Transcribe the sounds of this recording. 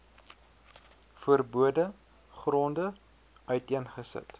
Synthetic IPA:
fuərbuədə | χrondə | œɥtiənχəsə̰t

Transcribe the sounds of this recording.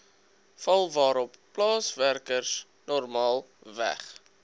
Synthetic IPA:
fɐlˠvɑːɾɔpːlɑːsværkərs | nɔrmɑːlˠ | væ̰χ

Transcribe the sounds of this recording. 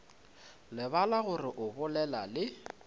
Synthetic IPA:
lɪbalaɣʊrɪʔʊbʊlɛlalɪ

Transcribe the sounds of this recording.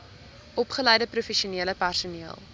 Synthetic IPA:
ʔɔpχəlɛjdəprufɛʃiuniələpærsuniəlˠ

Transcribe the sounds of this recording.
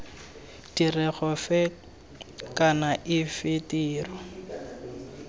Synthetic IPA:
d̥irɛɣɔfɛ | kanaʔɪfɪtiːrɔ

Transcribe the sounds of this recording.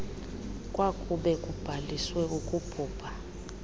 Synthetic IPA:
kʼwakʼuɓɛkʼub̥ʱaliswɛukʼupʰuːpʰa

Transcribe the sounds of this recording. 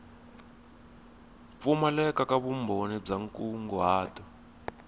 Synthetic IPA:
fumalɛkakʼaβumbʱonib͡ʐaŋkʼuŋɡɔwaːtʰʼɔ

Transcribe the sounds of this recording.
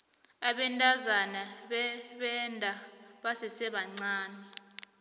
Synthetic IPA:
aɓɛntʼazanaɓɛɓɛndʱʼaɓasɛsɛɓaŋ͡ǀaːnɛ

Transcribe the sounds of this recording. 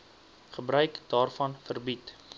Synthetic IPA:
χəbrœɥkd̥ɑːrfɐnfərbit

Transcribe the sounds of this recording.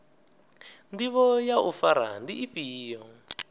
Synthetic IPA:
ndiβɔjaufaɾa̰ndiʔːɸiːjɔ

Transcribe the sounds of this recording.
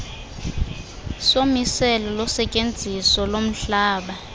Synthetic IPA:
somisɛlɔlɔsɛcʼend͡zʱisɔlom̩ɬaːɓa

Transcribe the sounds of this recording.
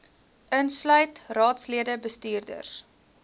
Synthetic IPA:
ʔənslœɥtrɑːtsliədəbəstyːrdə̰rs

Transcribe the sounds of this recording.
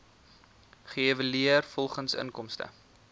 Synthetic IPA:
χəevəliərfɔlˠχənsə̰nkɔmstə̰

